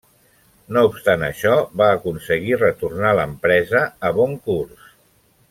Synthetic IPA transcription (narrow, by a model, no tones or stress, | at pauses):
noupst̪anə̰ʃɔβaːkunsəɣirət̪urnaləmpɾɛzəːβɔŋkurs